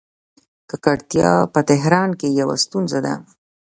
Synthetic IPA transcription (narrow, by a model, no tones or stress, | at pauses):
kəkaɽt̪jɑ̰pət̪ɪɦɾɑnkejawa̰st̪unzad̪a̰